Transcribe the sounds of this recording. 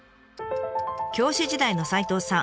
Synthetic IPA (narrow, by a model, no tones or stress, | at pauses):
kʲo̞ːɕiʑid̪aino̞sait̪o̞ːsã